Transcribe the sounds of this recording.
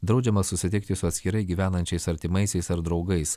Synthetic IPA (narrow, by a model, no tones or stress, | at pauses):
d̪ɾɒʊd͡ʒʲɛmɐsʊsʲɪt̪ʲɪk̚t̪ʲɪsʊɐt̪ʲsʲkʲɪɾɐɪɡʲiːʋʲæːnɐnʲt͡ʃʲɛɪsɐɾʲt̪ʲɪmɐɪsʲɛɪsɐɾd̪ɾɒʊɡɐɪs